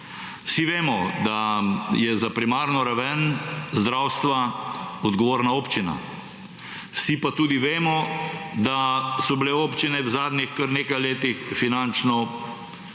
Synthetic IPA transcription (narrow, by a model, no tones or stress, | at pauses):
wsiʋeːmɔd̪ajɛzapɾimaːɾnɔɾaʋɛnzd̪ɾawst̪ʋaɔd̪ɡɔʋoːɾnaoːpt͡ʃina̰ | wsipat̪uːd̪iʋeːmɔd̪asɔbleoːpt͡ʃinɛwzaːd̪nixkəɾneːkajleːt̪ixfinant͡ʃnɔ